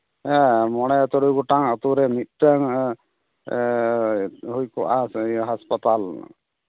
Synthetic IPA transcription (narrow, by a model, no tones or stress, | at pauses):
ɛmɔɽ̃ɛt̪ɔɽujɡɔʈaŋət̪uɾɛmit̪̚ˀʈaŋ | ɦujkɔwʔaɦaspat̪al